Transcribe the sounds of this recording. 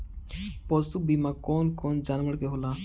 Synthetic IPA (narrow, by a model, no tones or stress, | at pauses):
pɔsubimãːkɔːnkɔːnd͡ʒaːnʋəɽkeɦolaː